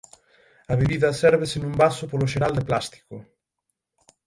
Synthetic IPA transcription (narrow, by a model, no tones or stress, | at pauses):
ɐβeβiðɐsɛɾβesenũmbasʊpoloʃ̬eɾald̪eplast̪i̥kʊ